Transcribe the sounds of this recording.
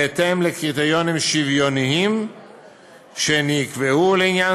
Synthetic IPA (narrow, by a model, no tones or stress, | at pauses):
et̪emlekʁit̪ejo̞nimʃivjo̞niim | ʃenikveuleinjan